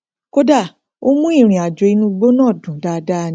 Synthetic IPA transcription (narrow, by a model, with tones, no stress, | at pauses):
ko˦da˦˨ | o˦mũ˦i˦˨ɾ̃ĩ˨a˨d͡ʒo˨i˧nũ˦˧ɡ͡bo˦nãː˦˨dũ˨˦da˧da˦˨n˧˦